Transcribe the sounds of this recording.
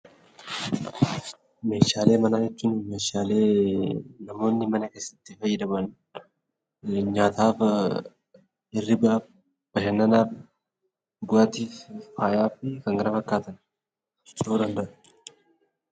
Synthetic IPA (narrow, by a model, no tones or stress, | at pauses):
me̞ːʃaːle̞ːmɐnaːd͡ʒɛt͡ʃːuːnmeːʃaːle̞ː | nɐmo̞ːnːɪmɐnɐke̞sːɐ̥t̪ːɪfɐjːɛd̪ɐbɐn | ɲaːt̪aːf | ɪrːɪbf | b̥ɐʃɛnːɐnaːf | ɡʊat̪iffaːjaːfɪkɐŋɡɐɾɐfɐkːaːt̪ɐn | ɪt͡ʃʼoːd̪ɐnd̪ɐʔʊ̥